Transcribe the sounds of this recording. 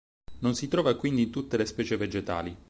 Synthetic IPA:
nonsit̪ɾɔːvakwind̪int̪ut̪ːelespɛːt͡ʃeved͡ʒet̪a̰ːli

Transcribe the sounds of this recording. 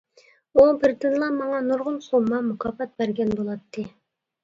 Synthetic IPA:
ubɪɾd̪ynlˠɑmɑŋɑnuɾʁʊlˠsomɑmukʰɑːpɑt̪̚bæɾɡʲɛnbolˠɑt̪ʰːɨ

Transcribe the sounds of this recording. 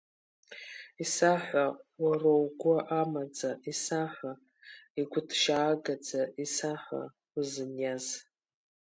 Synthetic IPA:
isaħʷawarowɡʷʊʔamad͡zaisaħʷa | iɡʷʊdʰʃaːɡad͡zaisaħʷa̰ | uzɨnjaz

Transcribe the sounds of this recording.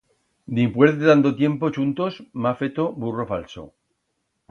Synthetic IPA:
d̪impweɾeðand̪ot̪je̞mpot͡ʃunt̪osmafet̪oburofalso̰

